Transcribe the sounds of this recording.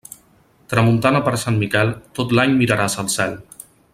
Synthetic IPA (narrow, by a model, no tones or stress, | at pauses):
t̪ɾəmunt̪anəpəɾsanmikɛlˠt̪ot̪laɲmiɾəɾasəlˠsɛlˠ